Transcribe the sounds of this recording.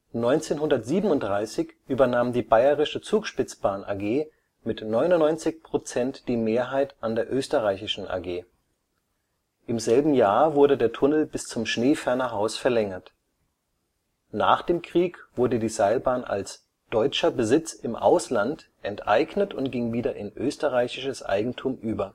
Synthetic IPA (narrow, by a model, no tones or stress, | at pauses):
nɔʏnt͡seːnɦʊndɐtz̥iːbm̩ʊnt̚d̥ʁaɪsɪçʔyːbɐnaːmdiːbaɪəʁɪʃət͡suːkʃpɪt͡sb̥aːnʔa̰ɡeː | mɪtnɔʏnʊnːɔʏnt͡sɪçpʁ̥ot͡sɛntd̥iːmeːɐɦaɪtʔandeːɐʔøːstəʁaɪçɪʃn̩ʔa̰ɡeː | ʔɪmzɛlbm̩jaːɐvʊɐɾədeːɐtʰʊnəl̩bɪst͡sʊmʃneːfɛɐnɐɦaʊsfɛɐlɛŋɐt | na̰ːχd̥eːmkʁ̥iːkv̥ʊɐdədiːzaɪlbaːnʔa̰ls | d̥ɔʏt͡ʃɐbəzɪt͡sɪmʔa̰ʊslantʔɛntʔa̰ɪɡnətʊntɡ̥ɪŋviːdɐʔɪnʔøːstəʁaɪçɪʃəsʔa̰ɪɡŋ̩tʰuːmʔyːbɐ